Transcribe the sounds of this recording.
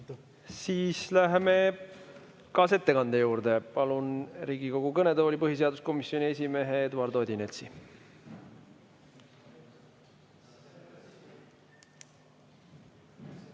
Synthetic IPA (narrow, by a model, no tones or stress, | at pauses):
siːslæɦeme̞ | kɑːse̞t̪ːe̞kɑnd̪̥e̞juːɾd̪e̞pɑlunɾiːɡ̥iko̞ɡ̥ukɤne̞d̪eolipɤɦis̬e̞ɑd̪usko̞misːjo̞nʲie̞s̬ʲime̞ɦeed̪uɑɾd̪o̞ːd̪ʲinelt̪si